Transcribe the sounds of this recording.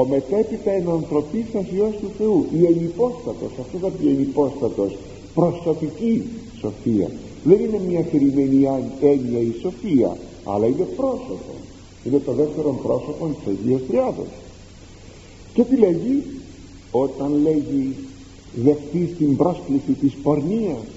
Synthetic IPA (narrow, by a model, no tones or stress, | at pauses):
o̞me̞t̪e̞pit̪ɐenɐnθɾo̞pisɐsio̞st̪uθe̞uʔienipo̞st̪ɐt̪o̞sɐft̪oθɐpienipo̞st̪ɐt̪o̞s | pɾo̞st̪ot̪iciso̞fiɐ̰ | ðe̞nine̞mɲɐxeɾimenie̞niɐiso̞fiɐ̰ | ɐ̰lɐine̞pɾo̞so̞po̞̰ | ine̞t̪oðeft̪e̞ɾo̞mpɾo̞so̞po̞nt̪i̥sɐʝiɐst̪ɾiɐðo̞̰s | cet̪ileʝi | o̞t̪ɐnle̞ʝi | ðe̞xθist̪imbɾo̞sklisit̪ispo̞ɾniɐs